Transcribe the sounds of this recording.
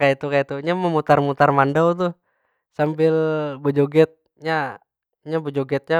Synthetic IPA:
kait̪ukait̪uɲaməmut̪armut̪armandawt̪̬u | sambɪlbod͡ʒoɡɛt̪̚ | ɲa | ɲabod͡ʒoɡɛt̪̚ɲa

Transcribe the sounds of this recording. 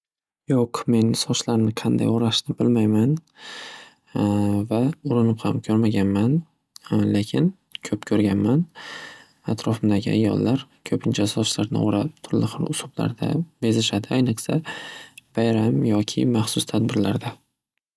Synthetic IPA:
joqme̞nsɒʃlaɾnɪqʰɑnd̪a̰joɾaʃnɪbɪlmajman | vaʊɾɪnɪphamkʲʰɵɾmaɡʲanman | lekʲʰɪn | kʲʰɵpkʲʰɵɾɡʲanman | at̪ɾɒfɪmd̪aɡʲɪa̰jːɒ̰lˠːaɾkʰɵpʰɪnt͡ʃʰasɒʃlaɾnɪ̰oɾap̚t̪ʰʊɾlɪχʊɾʊsʊbla̰ɾd̪a̰be̞zɪʃad̪ɪajnɨqsa | b̥ajɾamjɒkʲʰɪ̰maχsʊst̪ʰad̪̚bɪɾla̰ɾd̪a

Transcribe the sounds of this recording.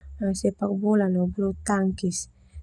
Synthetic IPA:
asepak̚bulanoblut̪aŋkis

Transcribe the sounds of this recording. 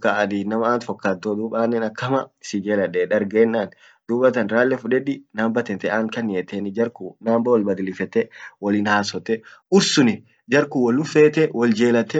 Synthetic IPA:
kːaʔɐd̪iːnɐmɐaːnt̪fɔkːaːd̪od̪uːbaːnːɛnɐkːɐmɐɪsɪd͡ʒeːlɐᶑɛᶑɐɾɡeːnːaːn | d̪̥uːbɐt̪ɐnɾaːlːɛfʊᶑɛᶑɪnaːmbɐt̪ɛt̪ɛʔaːŋkɐnɪɛt̪ːeːnɪd͡ʒɐɾkunaːmbɐwɐlbɐd̪ɪlɪfɛt̪ːɛwɐliːnhaːsɔt̪ːɛʔʊɾsʊnɪ | d͡ʒɐɾkuwɐlːʊfeːt̪ɛwɔld͡ʒeːlɐt̪ːɛ

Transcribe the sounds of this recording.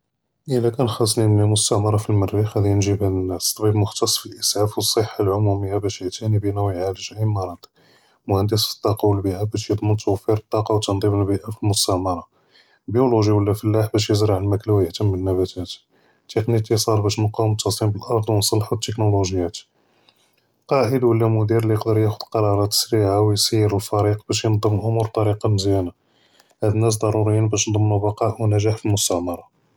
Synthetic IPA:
ʔəlːækænxɑsnimnæmʊst̪æʕmɑɾˤɑfilmərːixhæd̪ijənʒibhæd̪ənːæst̪ˤbibmʊxt̪ɑsˤːfilʔəsʕafwəsˤːəħːalʕʊmuməjːabæʃjəʕt̪ænibənæwʕaləʒimɑɾˤɑd̪ˤ | mʊhænd̪əsfi̥t̪ˤːɑqɑwəlbiʔæbæʃjəd̪ˤmənt̪ʰəwæfːiɾət̪ˤːɑqɑwt̪ːɑnd̪ˤiməlbiʔafilmʊst̪aʕmɑɾˤɑ | lbijuluʒiwəlːæfəlːaħbæʃjəzɾɑʕəlmæklæwjəht̪əmːənːæbæt̪ʰæt̪ | t̪ːeknik̪isˤɑɾbæʃnquwəmt̪ːɑsˤimbəlʔɑɾˤd̪ˤwnsˤəlːħwət̪ːeknoluʒjːæt̪ | qɑʔəlwəlːæmʊd̪iɾlijəqd̪əɾjæxʊd̪̥qɑɾˤɑɾˤɑt̪sɾiʕawjsijːəɾəlfɑɾiqbæʃjənd̪ˤːəmʔʊmuɾt̪ˤɑɾiqɑməzjæna | hæd̪ənːæs̬d̪ˤɑɾˤuɾəjːənbæʃnd̪ˤəmnubɑqɑʔwnæʒaħfilmʊst̪æmɑɾˤɑ

